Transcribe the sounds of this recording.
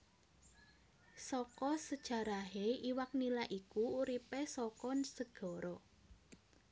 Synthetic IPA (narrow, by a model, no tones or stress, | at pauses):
sɔkɔsəd̥ʒ̥ä̤ɾaɦeiwak̚nilaʔikuuɾipesɔkɔnsəɡ̥ɔ̤ɾɔ